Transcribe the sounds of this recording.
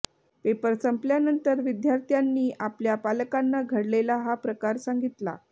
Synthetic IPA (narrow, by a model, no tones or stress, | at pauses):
pepəɾsəmpljanənt̪əɾʋid̪jaɾt̪ʰjanːiːʔapljapaləkanːaɡʱəɽlelaɦapɾəkaɾsaŋɡit̪la̰